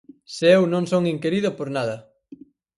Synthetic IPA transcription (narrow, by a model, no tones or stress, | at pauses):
sewnõŋsoŋiŋkeɾiðʊpoɾnaðɐ